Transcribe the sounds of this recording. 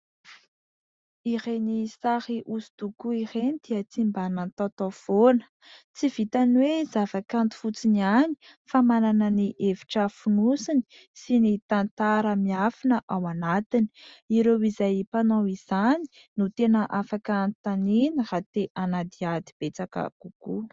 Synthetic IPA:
iɾenisahiʔusu̥t̪ukuiɾenid̪̥iət͡simbanant̪at̪ofonə̥ | t͡siv̥it̪anwezavakant̪i̥fut͡sinani̥ | famananəniʔevi̥ʈ͡ʂəfunusini̥ | sinit̪ant̪aɾəmiafinəʔawanat̪ini̥iɾewizajpanawiz̥ani̥ | nut̪enəʔafakənt̪aninrat̪eʔanad̪iad̪ib̥et͡sakə̰ɡ̥uku

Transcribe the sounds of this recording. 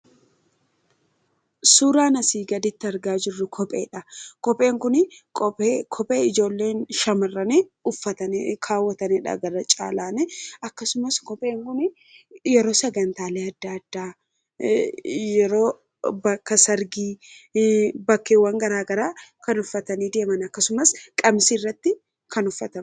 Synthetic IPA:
suːɾaːnɐsiːɡɐd̪ɪt̪ːɪɐɾɡaːd͡ʒɪrːʊkʰɔpʼe̞̰ːᶑɐkɔpʼe̞ːŋkʊnɪkːkʰɔpʼe̞ːɪd͡ʒo̞ːlːe̞ːnʃɐmɐrːɐneʊfːɐt̪ɐnkʰaːwːɐt̪ɐnɛᶑɐ̰ɡɐɾɐt͡ʃʼa̰ːlaːnɛʔɐkːɐsʊmɐskɔpʼeːŋkʊnɪ | jɛɾo̞ːsɛɡɐnt̪aːleːɐd̪ːaɐd̪̥ːaː | jjɛɾo̞ː | bɐkːɐsɐɾɡiː | bɐkːeːwːɐŋɡɐɾaːɡɐɾaːkɐnʊfːɐt̪ɐniːd̪e̞ːmɐnɐkːɐsʊmɐskʼɐmsirːɐt̪ːɪ | kʰɐnʊfːɐt̪ɐ

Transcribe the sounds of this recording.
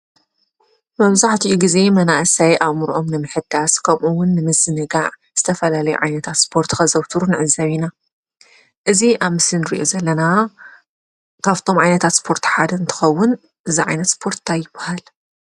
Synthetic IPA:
mɐβzaħt̪ʰiʔuɡize̞mɐnaʔsajʔaβmuɾʔo̞mnɨmɨħɨd̪̥askʰɐmʔuwʊnːɨmɨzːɨnɨɡaʕ | z̥ɨt̪ʰɐfɐlalɐjṵʕajnɐt̪ʰat̪spʰo̞ɾt̪ʰxɐzɐwt̪ʰɨɾunɨʕɨzːaβina | ʔɨziʔaβmɨsɨnɾḭʔo̞̰zɐlːɐna | kʰaβt̪ʰo̞mʕajnɐt̪ʰat̪spʰo̞ɾt̪ʰħad̪ɨnt̪ʰɨ̥xɐwːʊn | ʔɨziʕajnɐt̪spʰo̞ɾt̪t̪ʰajːɪbahal

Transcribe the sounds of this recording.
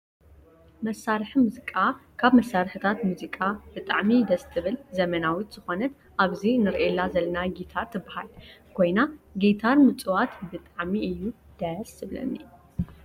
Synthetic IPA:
mɐsːaɾħimuzikʼakʰaβmɐsːaɾħɨt̪ʰat̪muzikʼab̥ɨt̪ʼaʕmid̪ɐst̪ʰɨβɨlzɐmɐnawit̪z̥ɨxo̞nɐt̪ | ʔaβzinɨɾʔelːazɐlɐnaɡit̪ʰaɾt̪ʰːɨbːaha̰lkʰo̞jnaɡet̪ʰaɾmɨt͡sʼɨwat̪bɨt̪ʼaʕmiɨjːu | d̪̥ɐsɨblɐ̰nːi

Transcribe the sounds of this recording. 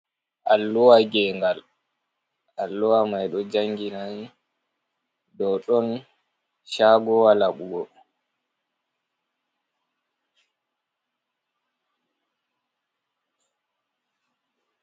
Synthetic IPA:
ʔalːɔwaɡɛŋɡal | alːɔwamajɗɔd͡ʒaŋɡinaj | dɔɗɔn | ʃaɡɔwalaɓuɡɔ

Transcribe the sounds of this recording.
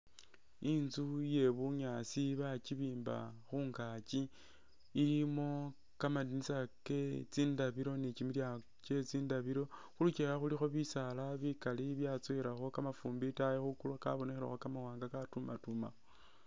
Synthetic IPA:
inzuje̞βuɲasiβat͡ʃiβiːmba̰xuŋɡat͡ʃiː | limo̞ | kamadinisaket͡siːndaβiɾo̞net͡ʃimilja | t͡ʃe̞t͡siːndaβiɾo̞xulut͡ʃiɾaxulixo̞βisalaβikaliβjat͡swiɾaxo̞kamafuːmbitajexukulwaka̰βo̞nexeɾa̰xokamawaːŋɡakatumatuma̰

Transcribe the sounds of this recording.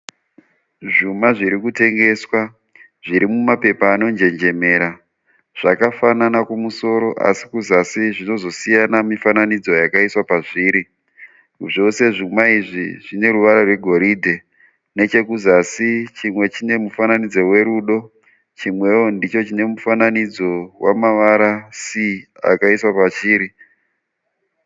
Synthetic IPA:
ʐumaʐiɾikute̞ŋɡe̞swa | ʐiɾimumape̞paːno̞nd͡ʒe̞nd͡ʒe̞me̞ːɾa | ʐ̥akafananakumuso̞ɾo̞ʔa̰sikuzasiʐino̞zo̞sijanamifananid͡zo̞jakaiswapaʐiːɾi | ʐo̞se̞ʐumaiʐḭʐ̥ine̞ɾuʋaɾarwe̞ɡʱo̞ɾidʱe̞ | ne̞t͡ʃe̞kuzasit͡ʃimwe̞t͡ʃine̞mufananid͡zo̞we̞ɾuːɗo̞ | t͡ʃimwe̞o̞ndit͡ʃo̞t͡ʃine̞mufananid͡zo̞wa̰maʋaɾasia̰kaiswapat͡ʃiːɾi

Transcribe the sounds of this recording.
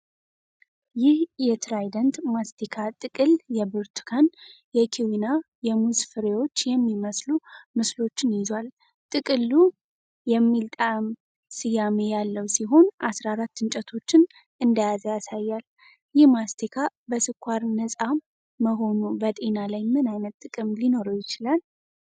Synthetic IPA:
jɪhjɛt̪ʰɾajd̪ənt̪mast̪ʰikʰat̪ʼɨkʼɨljɛbɨɾt̪ʰu̥kʰanjɛkʰiwina | jɛmuzfɨɾewo̞t͡ʃːjɛmːiməslumɨslo̞t͡ʃːɪnjɪzwal | t̪ʼɨkʼɨlːu | jɛmːilt̪ʼam | sɨjame̞jalːəwsiɦo̞nʔasɾaɾat̪ːɨnt͡ʃʼət̪ʰo̞t͡ʃːɪn | ɨnd̪ajazjasajːal | jɪhmast̪ʰikʰabəsɨkʰʷːaɾnəsʼamː | əɦo̞nubət̪ʼe̞nalajmɨnajnət̪tʼːɨkʼɨmlino̞ɾəwjɪt͡ʃɪlal

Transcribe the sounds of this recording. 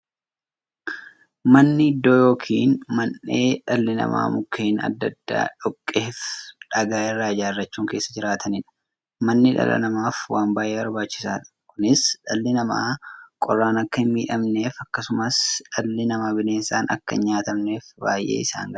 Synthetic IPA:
mɐnːɪɪd̪ːo̞ːjo̞ːkʰiːnmɐnːeːᶑɐlːɪnɐ̰ma̰ːmʊkʰːeːnɐ̰d̪ːɐd̪ːa̰ːᶑɔkʼːeːfᶑɐɡaːɪrːaːd͡ʒaːɪrːɐt͡ʃːuːŋke̞ːsːɐd͡ʒɪɾaːt̪ʰɐnɪᶑɐ̥ | mɐnːɪᶑɐ̰lɐ̰nɐmaːfwaːmbaːjʔeːwɐɾbaːt͡ʃːɪ̥saːᶑɐ̥kʊnɪsᶑɐlːɪnɐma̰ːkʼɔrːaːnɐkːɐhɪnmiːᶑɐmne̞ːfɐkːɐsʊmɐsᶑɐlːɪnɐmaːbɪleːnsaːnɐ̰kːɐ̰ɲːaːt̪ɐmne̞ːfba̰ːjʔe̞̰ːɪsa̰ːŋɡɐ

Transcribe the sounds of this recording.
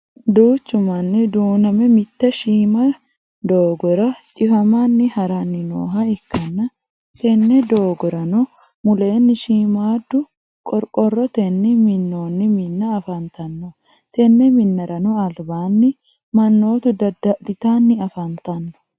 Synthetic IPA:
d̪uːt͡ʃːʊmɐnːɪd̪uːnɐmɛmɪt̪ːɛʃiːmɐ | d̪oːɡɔɾɐt͡ʃʼɪfɐmanːɪhɐɾanːɪno̰ːɦɐɪkːɐnːɐ | t̪ɛnːɛd̪o̞ːɡɔɾɐnɔ | mʊle̞ːnːɪʃiːmaːd̪ːʊ | kʼɔɾkʼɔrːɔt̪ɛnːɪmɪnːo̞ːnːɪmɪnːɐːfɐnt̪ɐnːɔ | t̪ɛnːɛmɪnːɐɾɐnɔɐlbaːnːɪ | mɐnːo̞ːt̪ʊd̪ɐdɐd̪ɪt̪aːnːɪɐfɐnt̪ɐnːɔ̥

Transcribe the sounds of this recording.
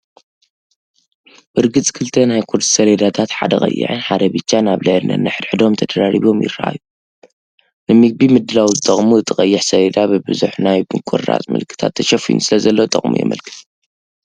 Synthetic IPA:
b̥ɨɾɡɨt͡sʼkʰɨlt̪ʰɐnajkʰuɾd̪i̥sɐled̪at̪ʰat̪ħa̰d̪ɐxʼɐ̰jːɪ̰ʕɨ̰nħad̪ɐbɨt͡ʃːanaβlɐʕdnɐ̰nɨħɨd̪ħɨd̪o̞mt̪ʰɐd̪ɐɾaɾiβo̞mjɪ̰rːaʔa̰ju | nɨmɨɡ̚bimɨd̪ːɨlawzɨt̪ʼɐχʼmuɨt̪ʰʼɨχʼɐjːɪħsɐled̪abɨbɨzuħnajbɨkʷʰʼo̰rːa̰t͡sʼmɨ̰lkʰːɨ̥t̪ʰa̰t̪ʰːɐʃɐfijṵnsɨlɐzɐlːowt̪ʼɐχʼmṵjɛ̰mɐ̰lkʰɨ̥t̪ʼ

